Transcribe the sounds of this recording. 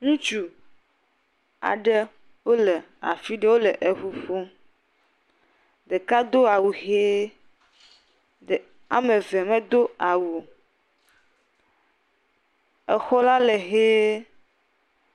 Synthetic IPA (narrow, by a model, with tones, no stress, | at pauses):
ŋũ˦t͡ʃu˨ | a̰˨ɖɛ˦ | wo˦lɛ˨ | a̰˨fi˦ɖe˦wo˦lɛ˨ʔe˨ɸu˦ɸo˦ | ɖe˨ka˦d̪o˦a˨wu˨ɦe˦ | e˨ | a̰˨me˨vɛ˨me˦d̪o˦a˨wu˨ | ɛ˨xɔ˦la˦lɛ˨ɦe˦